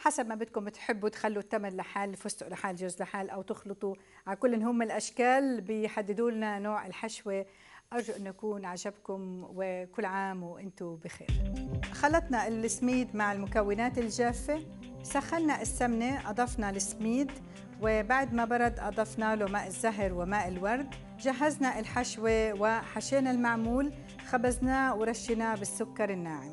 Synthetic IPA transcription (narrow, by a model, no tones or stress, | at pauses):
ħasabmabɪt̪̚kʊmbt̪ħɪbːut̪xalːut̪ːamɪllaħaːlfʊsʊʔlaħaːlʒʊzːlaħaːlʔawt̪ʊxlɨt̪ˤu | ʕalkʊlːʔɪnɦʊmːɪnɪlʔaʃkaːlbɪjħad̪ːɪd̪uːlnanoːʕɪ̰lħaʃwe | ʔɑɾˤʒʊʔɪnːʔakuːnʕaʒabkʊmwɪkʊlːʕaːmwʔɪnt̪ʊbɪxḛːɾxɑlːɑt̪ˤnɑɪlːɪsmiːd̪maʕɪlmʊkawːɪnaːt̪ɪlʒaːfːe | saxːannaʔɪsːamneʔɑd̪ˤɑfnɑlɪsmiːd̪ | wɪbaʕd̪mabɑɾˤɑd̪ʔɑd̪ˤɑfnaːlomaːʔɪzːaɦɾwɪmaːʔɪlwɑɾˤd̪ | ʒaɦːaznaʔɪlħaʃwewɪħaʃeːnalmaʕmuːl | xabaznaːwɾˤɑʃːɪnabɪsːʊkːɑɾˤɪnːaːʕi